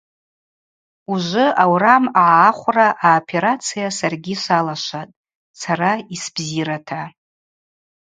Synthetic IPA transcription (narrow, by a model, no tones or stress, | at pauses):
uʒʷʊawramaʕaːχʷraʔaopʰe̞ɾat͡sʰijasarɡʲiʃʷalaʃʷatʼ | saɾaisbziɾatʰa